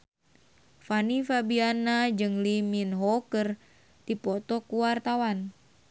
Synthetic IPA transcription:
fanifabianad͡ʒɨŋliminɦɔkər | d̪̥ipɔt̪ɔkuwart̪awan

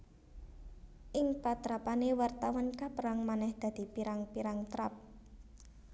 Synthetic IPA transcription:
ʔɪŋpat̪ɾapanewart̪awɔnkapəɾaŋmanɛhd̪̥ä̤d̪̥i̤piɾaŋpiɾaŋt̪ɾap̚

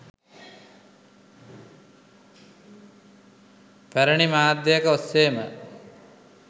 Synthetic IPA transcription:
pæɾəɳimaːd̪jejəkəosːeːmə̰

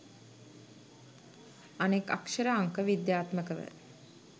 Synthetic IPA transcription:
aneka̰kʃəɾəaŋkəʋid̪jaːt̪məkəʋə̰

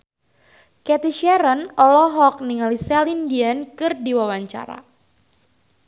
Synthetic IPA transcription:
kɛt̪iʃɛɾənɔlɔɦɔk̚niŋalisɛlindiankɨrdiwawaɲt͡ʃa̰ɾa̰

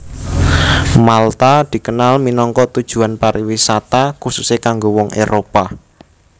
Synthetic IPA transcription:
malt̪ad̪̥i̤kənalminɔŋkɔʔt̪ud̥ʒ̥ṳanpaɾʔiwisat̪akususekaŋɡowɔŋḛɾopa

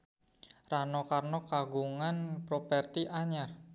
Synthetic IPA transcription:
ranokarnokaɡuŋanpɾopɛrt̪iʔaɲar

